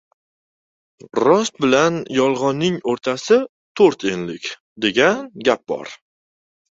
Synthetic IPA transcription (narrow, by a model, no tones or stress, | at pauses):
ɾɒst̪̚bɪlanjɒlˠʁɒnːɪŋoɾt̪ʰasɪ | t̪ʰoɾt̪ʰe̞nlɪkʲ | d̪e̞ɡʲanɡʲap̚bɒ̰ɾ